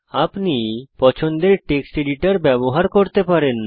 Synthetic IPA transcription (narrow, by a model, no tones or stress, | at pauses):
apnipɔt͡ɕʰond̪eɾʈeksʈiɖiʈaɾbɛboɦaɾkoɾt̪epaɾenː